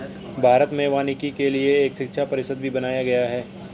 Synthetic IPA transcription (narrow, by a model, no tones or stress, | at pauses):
bʱaːɾət̪mẽʋaːnikikelieːkʃɪkʃʰapɐɾɪsəd̪̚bʱibɐnaːjaɡɐjaɦɛː